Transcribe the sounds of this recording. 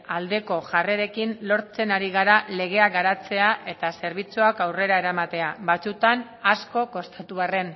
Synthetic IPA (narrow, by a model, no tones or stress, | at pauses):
ald̪e̞ko̞ʝare̞ɾe̞kinlo̞ɾt͡se̞naɾiɣ̞aɾale̞ɣ̞e̞aɡaɾat͡se̞aʔe̞t̪ase̞ɾβ̞it͡suakawre̞ɾae̞ɾamat̪e̞aβat͡sut̪an | asko̞ko̞st̪at̪uβare̞n